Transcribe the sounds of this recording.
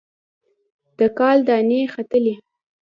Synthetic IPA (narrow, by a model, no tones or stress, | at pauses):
d̪̥əkɑld̪əanexat̪əle